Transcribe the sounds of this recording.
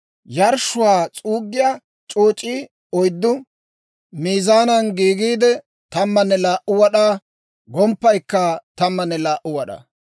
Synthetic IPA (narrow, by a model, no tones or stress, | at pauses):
jɐɾʃʊwaːt͡sʼuːɡːɪjaː | t͡ʃʼoːt͡ʃʼːiː | ɔjd̪ːʊ | miːzaːnɐnɡiːɡiːd̪ɛ | t̪ɐmːɐnːɛlaːʔʊwɐɗaː | ɡɔmpːɐjkːɐt̪ɐmːɐnːɛlaːʔʊwɐɗɐ̰